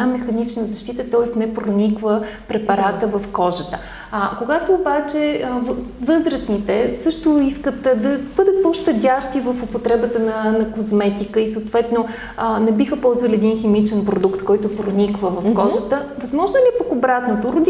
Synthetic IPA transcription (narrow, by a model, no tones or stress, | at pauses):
amɛxɐnit͡ʃnəzɐʃt̪it̪ət̪ɔɛsnɛpɾonikvə | pɾɛpɐɾat̪əvəfkɔʒət̪ə | akoɡat̪oːbat͡ʃɛvvɤzɾəsnit̪ɛsɤʃt̪ʊiskət̪d̪ɐb̥ɤd̪ət̪̚poʃt̪ɐd̪ʲaʃt̪ʲivəfopot̪ɾɛbət̪ənɐnɐkozmɛt̪ikəisəːt̪vɛt̪no | nɛbixəpɔlˠzvəlʲiɛd̪inxɛmit͡ʃɛnpɾod̪ukt̪kɔjt̪ʊpɾonʲikvəvɐfkɔʒət̪əvɐzmɔʒnolʲiɛpɐkobɾat̪not̪oɾʊd̪